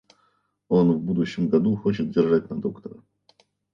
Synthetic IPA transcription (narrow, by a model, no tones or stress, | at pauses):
o̞nvbud̪ʊɕːɪmɡɐd̪uxo̞t͡ɕɪt̪̚dʲɪrʐatʲnɐd̪o̞kt̪əɾə